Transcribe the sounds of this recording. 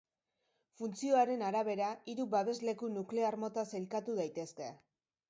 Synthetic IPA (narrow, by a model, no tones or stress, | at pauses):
funt͡sio̞aɾe̞naɾaβ̞e̞ɾaiɾuβaβe̞zle̞kunukle̞aɾmo̞t̪aselkat̪uðajt̪e̞ske̞